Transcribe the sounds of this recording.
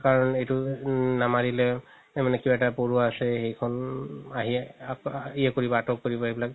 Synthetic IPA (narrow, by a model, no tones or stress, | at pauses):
kaɹɔnejtʊnamaɹilɛ | tɛmanɛkibaɛtapoɹuaasɛxejkʰɔnaɦi | iɛkoɹibɔatɔkːoɹibɔejbilak̚